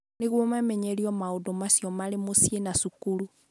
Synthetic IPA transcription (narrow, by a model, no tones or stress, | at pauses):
neɣwɔmamɛɲeɾiɔmaodomasijɔmalemosienasukulu